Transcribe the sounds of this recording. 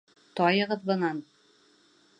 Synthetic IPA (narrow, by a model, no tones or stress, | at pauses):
t̪ɒjɤ̆ʁɤðbɤ̆nɑn